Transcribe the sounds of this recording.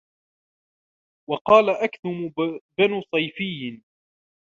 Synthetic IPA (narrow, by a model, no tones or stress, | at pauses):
wɑqɑːlaʔakt̪ʊmbanuːsˤɑjfɪjː